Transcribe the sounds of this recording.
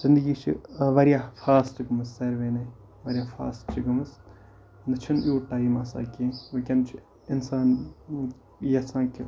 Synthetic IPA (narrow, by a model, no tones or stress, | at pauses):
zɪnd̪ɨɡiːt͡ʃʰḭʋɐɾjaːfʰaːsʈɡɐmɨsːɐɾʋeːne | ʋɐɾʲjaːfʰa̰ːstt͡ʃʰiɡɐmɐs | nɨt͡ʃʰinjuːʈaːiːmaːsa̰ːkẽːʋɐkʲɐnt͡ʃʰi | ɪnsaːn | jɐsãːkɪ